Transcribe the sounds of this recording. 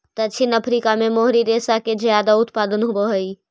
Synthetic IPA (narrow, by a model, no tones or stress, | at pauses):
t̪ɐt͡ʃʰinɐpʰɾiːkamẽmoɦɾiɾeːsakezjaːd̪aʊt̪paːd̪ənɦʊboɦəi